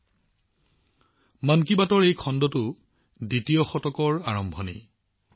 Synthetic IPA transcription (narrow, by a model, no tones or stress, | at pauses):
mank̬ibatɔɹejkʰɔndɔtʊ | ditijɔxɔtɔkɔɹaɹɔmbʱɔnḛ